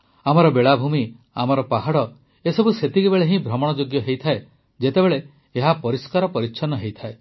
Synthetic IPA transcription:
amɔɾɔbeɭabʱumi | amɔɾɔpaɦaɽɔ | esɔbuset̪ikibeɭeɦĩbʱɾɔmɔɽ̃ɔd͡ʒoɡjɔɦejt̪ʰae | d͡ʒet̪ebeɭeː | ɦapɔɾiskaɾɔpɔɾitːʃʰɔnɔɦejt̪ʰae

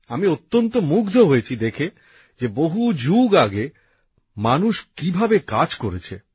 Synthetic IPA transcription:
amiot̪ːont̪omukd̪ʱoɦojet͡ɕʰid̪ekʰe | d͡ʑeboɦud͡ʑuɡaɡe | manuʃkibʱabekad͡ʑkoɾet͡ɕʰe

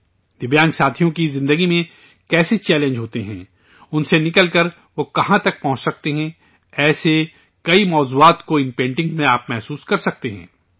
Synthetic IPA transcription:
d̪ɪbjaːnsaːt̪ʰijõkizɪ̃nd̪əɡimẽ | kɛːset͡ʃɛːlẽɲd͡ʒɦoːt̪eɦɛ̰̃ː | ʊnsenɪkəlkəɾ | ʋokɐɦãt̪ɐk̚pɐɦʊ̃t͡ʃsɐk̚t̪eɦɛ̃ | ɛːse | kɐimɔːzuːaːt̪koɪ̃npẽːɳʈɪ̃ŋɡmẽaːpmɛɦsuːskɐɾsɐk̚t̪eɦɛ̰̃ː

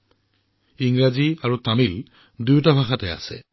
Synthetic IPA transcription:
iŋɹaziaɹutamil | dujwtabʱaxatɛa̰sɛ̰

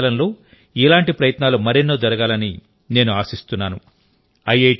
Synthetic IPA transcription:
lɐnlo̞ː | ilaːɳʈipɾɐjɐt̪naːlumɐɾinːoːd͡ʒɐɾɐɡaːlɐni | ne̞ːnuaːsist̪unːaːnu | ɐje

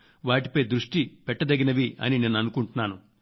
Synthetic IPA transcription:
ʋaːʈipɐjd̪ɾuʂʈipɛʈːɐd̪ɐɡinɐʋiɐ̰nine̞ːnuɐnukuɳʈunːaːnu

